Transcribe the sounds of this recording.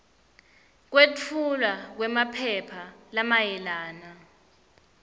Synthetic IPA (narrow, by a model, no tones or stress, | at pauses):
k̬wetʰulwak̬wɛmapʰɛpʰalamajɛlaːna